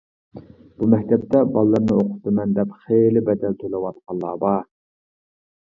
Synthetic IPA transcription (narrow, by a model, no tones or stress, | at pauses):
b̥umɛkʲt̪ʰɛp̚t̪ʰɛbɑlˠːɨɾnɨoqʰʊ̥t̪ɨmɛnd̪ɛpχelɪbɛd̪ɛlt̪ʰolˠɨwɑt̪̚qʰɑlːˠɑ̰ːbɑ